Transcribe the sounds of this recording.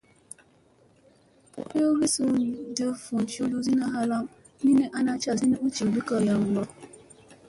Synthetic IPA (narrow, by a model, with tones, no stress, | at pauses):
e˦o˦ɣi˦su˦˨də˦fu˨n˨t͡ʃo˦lu˦zi˦na˦ɦa˦la˦m | ni˦ne˦ʔa˦na˦t͡ʃa˦˨zi˦ne˦u˦t͡ʃi˨bi˦kɔ˦˨ja˨ŋ˨ɡɔ˦